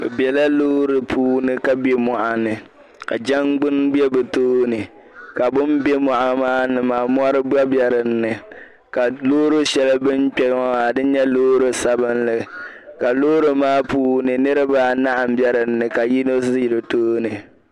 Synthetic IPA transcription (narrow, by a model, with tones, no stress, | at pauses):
bɛ˨bjɛ˨la˦loː˦ɾɨ˨pʰuː˦nɨ˨ka˨be˦mɔ˨ʔa˨nɨ˨ | ka˨d͡ʒɛ˦ŋɡ͡bʊ˦nbɛ˦bɛ˨toː˦nɨ˨ | ka˨bʊ˦mbe˦mɔ˨ʔa˨maː˦nɨ˨maː˨m˦ɔ˦ɾɨ˦ba˦bjɛ˦˨ɾɨ˨n̩ːɨ˨ | ka˨lo˦ɾɨ˦ʃɛ˨la˦bɨ˦mk͡pʲɛ˦ɔ˦a˨dɨ˦ɲɛ˦loː˦ɾɨ˦sa˨bɨ˦nlɨ˨ | ka˨loː˦ɾɨ˨maː˦puː˦nɨ˨nɨ˦ɾɨ˦ba˦na˦ʔa˨m̩˦bɛ˦ɾɨ˨n̩ːɨ˨ka˨ji˦no˦si˨ɾɨ˨toː˦nɨ˨